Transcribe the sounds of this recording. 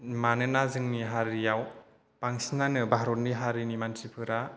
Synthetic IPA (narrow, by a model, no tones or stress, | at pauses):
manɯnazɯŋniɦaɾijaw | paŋsinanɯbaɦaɾot̚niɦaɾinimantʰipʰɯɾa